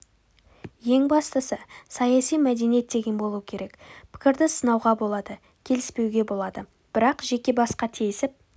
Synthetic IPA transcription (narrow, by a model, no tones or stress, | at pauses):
je̞ŋbɑst̪əsəsɑjɑsijmæd̪e̞nijet̪̚d̪e̞ɡʲe̞nbo̞lˠuwəkʲʰe̞ɾe̞kpʰɪ̥kʲɪɾd̪ɪsənɑwʁɑbo̞lˠɑd̪ə | kʲʰe̞lɪspe̞wɡʲe̞bo̞lˠɑd̪ə | b̥ɪɾɑqʒe̞kʲe̞bɑsqɑt̪ʰijɪsɪp̚